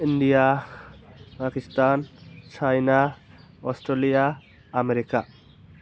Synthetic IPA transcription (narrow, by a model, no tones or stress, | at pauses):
iɳɖija | pakist̪ant͡ɕʰajna | ɔsʈɾelija | ameɾika